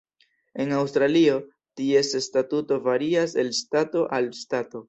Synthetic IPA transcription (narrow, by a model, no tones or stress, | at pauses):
e̞nawstɾalio̞ | tie̞sestatuto̞vaɾiase̞lstato̞ʔalstato̞